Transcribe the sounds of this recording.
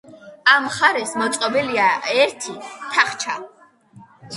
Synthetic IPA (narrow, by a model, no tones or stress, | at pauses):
amχaɾɛsmɔt̪sʼqʼɔbiliaɛɾt̪ʰit̪ʰaχt͡ʃʰa